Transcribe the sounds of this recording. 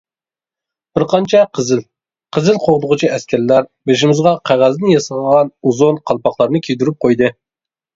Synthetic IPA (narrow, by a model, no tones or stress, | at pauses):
b̥ɪɾqʰɑnt͡ʃʰɛqʰəzɪl | qʰəzɪlˠqʰoʁd̪ʊʁʊt͡ʃʰiɛskʲæɾlæɾbeʃ̬imɪzʁɑqʰæʁæznɨjɑsəlʁɑnuzonqʰɑlˠpɑχlˠɑɾnɨkʲʰejd̪yɾyp̚qʰojd̪ɨ